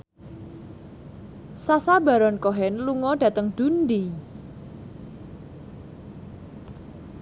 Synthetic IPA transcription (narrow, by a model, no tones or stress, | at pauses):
sasaba̤ɾɔnkɔɦɛnluŋɔɖ̥a̤t̪əŋd̪̥ṳnd̪i